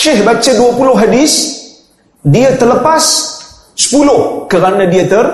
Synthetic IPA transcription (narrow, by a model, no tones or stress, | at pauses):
ʃɪhbat͡ʃaduapulʊhɦadɪs | diət̪ərləpas | sə̥pulʊhkəɾanãdiət̪ər